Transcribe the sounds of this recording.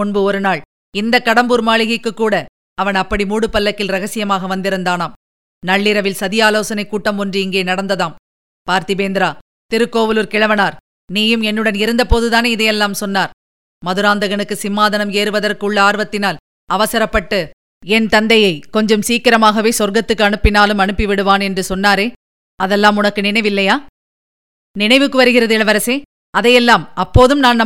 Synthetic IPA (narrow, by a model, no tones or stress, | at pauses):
ʊɳbɯɔɾɯnaːɭ | ɪnd̪ɐkːɐɽɐmbuːɾmaːɭɪɣɐɪkːɯkːuːɽɐ | ɐʋɐnɐpːɐɽimuːɽɯpːɐlːɐkːɪlɾɐɣɐsɪjɐmaːɣɐʋɐnd̪ɪɾɯnd̪aːnaːm | nɐɭːɪɾɐʋɪlsɐðɪjaːloːsɐnɐɪkːuːʈːɐmɔndrɯɪŋɡeːnɐɽɐnd̪ɐðaːm | paːɾt̪ɪbeːnd̪ɪɾaː | t̪ɪɾɯkːoːʋɯlɯɾkɪɻɐʋɐnaːɾ | niːjɯmɛnːɯɽɐnɪɾɯnd̪ɐpoːðɯðaːneːɪðɐjɛlːaːmsɔnːaːɾ | mɐðɯɾaːnd̪ɐɣɐɳɯkːɯsɪmːaːðɐnɐmeːɾɯʋɐðɐrkɯɭːɐaːɾʋɐt̪ːɪnaːl | ɐʋɐsɐɾɐpːɐʈːɯ | ɛnt̪ɐnd̪ɐjɐɪkɔɲd͡ʒɐmsiːkːɐɾɐmaːɣɐʋeːsɔɾɡɐt̪ːɯkːɯɐɳɯpːɪnaːlɯmɐɳɯpːɪʋɪɽɯʋaːnɛndrɯsɔnːaːɾeː | ɐðɛlːaːmʊnɐkːɯnɪnɐɪʋɪlːɐjaː | nɪnɐɪʋɯkːɯʋɐɾɯɣɪɾɐðɪlɐʋɐɾɐseː | ɐðɐjɛlːaːmɐpːoːðɯmnaːnnɐ